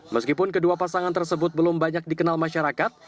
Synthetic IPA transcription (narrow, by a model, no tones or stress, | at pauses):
məskipʊnkəduapasaŋant̪ərsəbʊt̪̚bəlʊmbaɲak̚dikənalmaʃaɾakat̪̚